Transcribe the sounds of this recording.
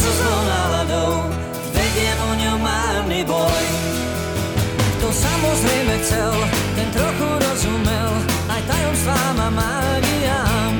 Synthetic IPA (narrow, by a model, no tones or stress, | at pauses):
sɔsɔwnalad̪ɔw | zvɛdɛʔɔɲɔwmaɾnibɔj | kt̪ɔsamɔzɾɛjmɛxt͡sɛlt̪ɛnt̪ɾɔxuɾɔzumɛl | ajt̪ajɔmsvamama | ɡija